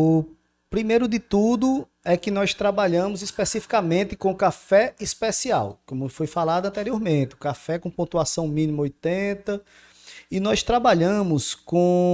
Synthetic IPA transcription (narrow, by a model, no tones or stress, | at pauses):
ʊ | pɾimejɾʊd̪ɪt̪ud̪ʊ | ɛkɪnɔjst̪ɾabaʎɐ̃mʊzispesifi̥kɐmẽnt̪ɪkõkafɛispesia̰wkõmʊfojfalad̪ɐ̃nt̪ɛɾioɾmẽnt̪ɪkafɛkõpõt̪uasɐ̃w̃mĩnĩmɐojt̪ẽt̪ɐ | ɪnɔjst̪ɾabaʎɐ̃mʊskõ